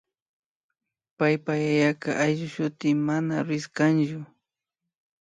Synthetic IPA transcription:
pajpajajakaʔajʒʊʃʊt̪ɪmanaɾʊɪskant͡ʃʊ

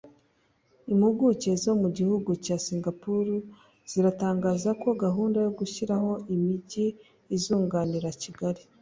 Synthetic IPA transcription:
imuɡuce̞zo̞muɟihuɡucaːsiːŋɡapuɾu | z̥iɾataːŋɡaːzako̞ɡaɦuːndajo̞ɡuçiɾaho̞ʔimiɟiː | zuːŋɡaːniɾaciɡaɾi

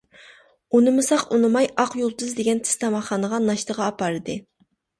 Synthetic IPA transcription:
unɨmɨsɑqunɨmɑjɑqjolˠd̪ɨzd̪eɡʲɛnt̪ʰɪ̥st̪ʰɑmɑχːɑnəʁɑnɑʃt̪əʁɑːpɑɾɨd̪ɨ

